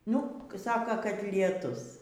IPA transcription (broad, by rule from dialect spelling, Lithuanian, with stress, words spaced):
ˈnʊ ˈsɑːkɐ kɐtʲlʲiɛˈtʊs